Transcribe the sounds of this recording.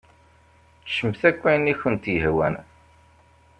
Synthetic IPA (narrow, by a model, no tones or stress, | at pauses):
t͡sʃəmθækʷːænːiçənt̪jəhwæ̰n